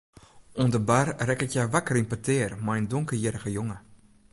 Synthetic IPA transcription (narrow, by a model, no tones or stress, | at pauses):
undəbarrɛkɪkjaʋakərinpatʰɪərmajəndʊŋkəjɪɾəɣəjʊŋə